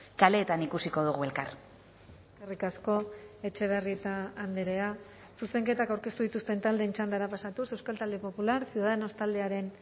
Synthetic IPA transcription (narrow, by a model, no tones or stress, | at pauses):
kale̞ːt̪anikusiko̞ðuɣue̞lka̰ɾ | karikasko̞e̞t͡ʃe̞β̞e̞rie̞t̪aːnd̪eɾe̞a | suse̞ŋke̞t̪akawɾke̞st̪uðit̪ust̪e̞nt̪ald̪eːnt͡ʃand̪aɾapasat̪use̞wskalt̪ald̪e̞po̞pulaɾsjuðaðeno̞st̪ald̪e̞aɾe̞n